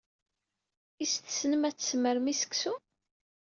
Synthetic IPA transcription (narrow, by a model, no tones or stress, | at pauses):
ist̪snəmæt͡sːə̥sməɾmisə̥ksu